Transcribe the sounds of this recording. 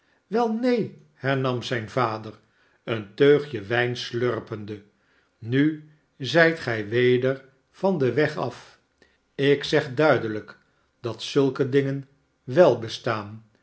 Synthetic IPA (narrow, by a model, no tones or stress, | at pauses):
ʋɛlˠnej | hɛɹnɑmzɛjnvaːdər | əntøɥχjəʋɛjnslørpəndə | ny | zɛjtχɛjʋejdəɹ | v̥ɑndəʋɛχɑf | ɪksɛχdœɥdələk | d̥ɑtsɵlˠkədɪŋən | ʋɛlˠbəstaːn